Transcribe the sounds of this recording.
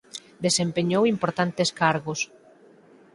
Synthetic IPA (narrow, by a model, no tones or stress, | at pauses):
d̪esempeɲowimpoɾt̪ant̪eskaɾɣos